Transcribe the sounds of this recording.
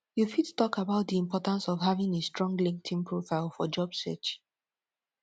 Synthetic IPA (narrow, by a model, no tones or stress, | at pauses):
jufittɔkabaʊt̚diĩmpɔtãnsɔvɦavɪ̃ŋestɹɔ̃ŋɡlĩŋk̚tʰĩnpʰɹofaɪlˠfɔd͡ʒɔbsɛ̰t͡ʃ